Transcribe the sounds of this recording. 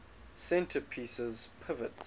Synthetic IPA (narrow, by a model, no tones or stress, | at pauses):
sɛ̃ntʰəpʰiːsəzpʰɪvəts